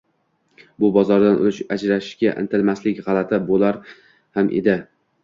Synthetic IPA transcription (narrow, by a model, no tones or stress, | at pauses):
bʊbɒzɒɾd̪anʔʊ̰t͡ʃad͡ʒɾaʃɪʃɡʲaʔɪ̰nt̪ʰɪlmaslɪkʲʁɑlˠat̪ʰɪbolaɾ | hamʔḛd̪ɪ